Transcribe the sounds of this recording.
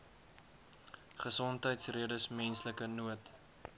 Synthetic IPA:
χəsɔntɦəjtsriədəsmɛnsləkənuət

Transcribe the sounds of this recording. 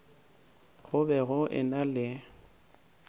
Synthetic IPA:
ɣʊbɛɣʊʔɪ̰nalɪ

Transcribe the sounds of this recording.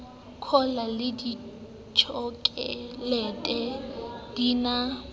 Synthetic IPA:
kʰɔlalɪdi | t͡ʃʰɔkʼɛlɛtʼɛdiːna

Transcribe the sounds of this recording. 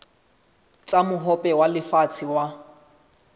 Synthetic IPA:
t͡sʼamʊɦɔpʼɛwalɪfat͡sʰɪwa

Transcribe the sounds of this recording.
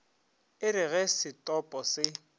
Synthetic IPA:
ɪɾɪɣɛsɪtʼɔpʼɔsɪ

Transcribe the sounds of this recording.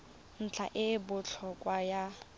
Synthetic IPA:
n̩t͡ɬʰa̰ʔɪbʊt͡ɬʰɔkʼwaja

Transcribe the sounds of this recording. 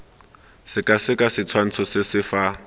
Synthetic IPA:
sɪkʼasɪkʼasɪt͡sʰwan̩t͡sʰɔsɪsɪfa

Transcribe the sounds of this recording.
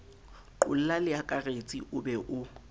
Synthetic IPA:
ǃʊl̩lalɪakʼaret͡sʼiʔʊbɛʔʊ

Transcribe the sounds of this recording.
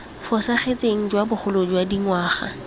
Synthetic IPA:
fɔsaχet͡sʼeŋ̩d͡ʒwabʊχʊlod͡ʒwadiŋwaːχa̰

